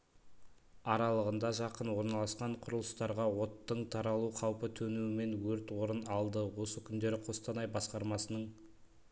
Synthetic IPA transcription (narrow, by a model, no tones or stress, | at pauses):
ɑɾɑlˠəʁənd̪ɑʒɑqənwo̞ɾnɑlˠɑsqɑɴqʰʊɾəlˠəst̪ɑɾʁɑwo̞t̪ːəɴt̪ʰɑɾɑlˠuqʰɑwpət̪ʰɵnuwɪme̞nwɵɾt̪woɾənɑlˠd̪əwo̞səkʲʰʏnd̪e̞ɾɪqʰo̞st̪ɑnɑjbɑsqɑɾmɑsənəɴ